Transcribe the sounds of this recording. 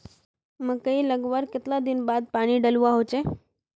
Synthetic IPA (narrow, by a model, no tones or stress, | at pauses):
məɡkəɦiːləɡʋəɾket̪lad̪inbad̪̚paɽ̃iːɖəluaɦot͡ɕe